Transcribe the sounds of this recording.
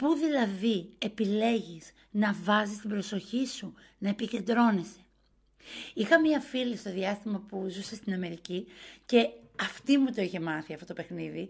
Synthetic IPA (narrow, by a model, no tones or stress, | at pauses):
puðilɐðie̞pile̞ʝiz̥ | nɐvɐzist̪ibɾo̞so̞çisu | nɐepice̞nd̪ɾo̞nese̞̥ | ixɐmiɐfilist̪o̞ðiɐst̪imɐpuzusest̪inɐme̞ɾicice̞ɐft̪imut̪o̞içe̞mɐθiɐfto̞t̪o̞pe̞xniði